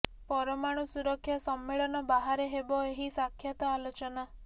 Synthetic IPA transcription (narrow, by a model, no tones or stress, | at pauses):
pɔɾɔmaɽ̃usuɾɔkʰːjɔsɔmːeɭɔnɔbaɦaɾeɦebɔeɦisakʰjat̪ɔalot͡ʃɔna